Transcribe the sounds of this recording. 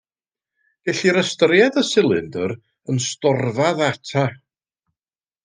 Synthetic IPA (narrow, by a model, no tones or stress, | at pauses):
ɡ̥ɛɬiɾəstəɾjadəsɪlˠɪndəɾ | ənstɔrvaðatʰa